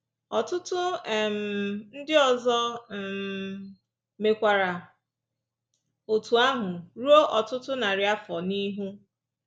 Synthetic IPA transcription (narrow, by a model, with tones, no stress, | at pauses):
ɔ˨tʊ˦tʊ˦˨m̩˨n̩˦dɪ˦ɔ˨zɔ˦˨m | me˨kʷa˨ɾa˨ | o˨tu˨a˦ɦʊ˨ɾu˦o˦ʔɔ˨tʊ˦tʊ˦na˨ɾɪ˨a˦fɔ˨ni˦ɦu˦